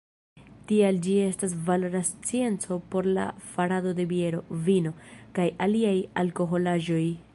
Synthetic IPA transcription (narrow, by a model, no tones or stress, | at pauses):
tiald͡ʒie̞stas̬valoɾast͡sie̞nt͡so̞po̞ɾla̰faɾado̞de̞bie̞ɾo̞vino̞kajaliaja̰lko̞ɦo̞laʒo̞j